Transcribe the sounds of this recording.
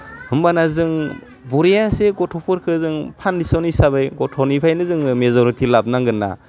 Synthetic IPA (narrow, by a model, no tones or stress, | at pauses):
hɯmbanazɯŋ | bɔɾejaseɡɔtʰɔpʰɯɾkʰɯzɯŋpʰandisɔnisabajɡɔtʰɔnipʰajnɯzɯŋmezɔɾitʰilab̚naŋɡɯnːa̰